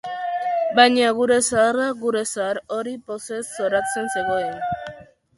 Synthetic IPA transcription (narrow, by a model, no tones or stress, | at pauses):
bajɲaɣ̞uɾe̞saaraɣuɾe̞saɾo̞ɾipo̞se̞sːo̞ɾat͡se̞nse̞ɣo̞en